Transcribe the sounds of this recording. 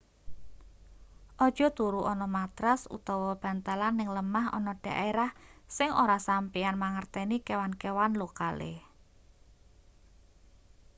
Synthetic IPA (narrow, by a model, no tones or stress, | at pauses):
ʔɔd̥ʒ̥ɔ̤t̪uɾuʔɔnɔmat̪ɾasṵt̪ɔwɔb̥ä̤nt̪alanːɪŋləmaɦɔ̰nɔɖ̥a̤ʔeɾahsɪŋoɾasampianmaŋərt̪ɛnikewankewanlokalḛ